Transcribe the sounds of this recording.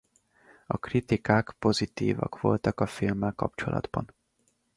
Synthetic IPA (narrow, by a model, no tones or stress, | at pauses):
ɒkrit̪ikaːkpo̞zit̪iːvɒ̰kʋo̞lt̪ɒkɒfilmːɛlkɒp̚t͡ʃolʔɒ̰d̪bɒn